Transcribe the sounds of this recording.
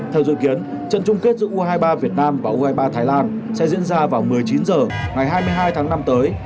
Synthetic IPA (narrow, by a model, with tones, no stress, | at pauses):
t̪ʰɛː˧˩wzḭ˧˨ki˨˦ən | t͡ɕə̰˧˨nt͡ɕʊ˧ŋ͡mke˦˥t̚zɨ̰˧˥ʔu˧ɦaː˧jɓaː˧vi˨˩ət̚naː˧mvaː˨˩ʔu˧haː˧jɓaː˧t̪ʰaː˨˦jlaː˧nsɛ̰˧˥zḭ˧˥ənzaː˧vaː˨˩wmɨ˨˩əjt͡ɕi˨˦nzəː˨˩ŋa˨˩jɦaː˧jmɨ˧əjɦaː˧jt̪ʰaː˨˦ŋna˧mt̪əː˨˦j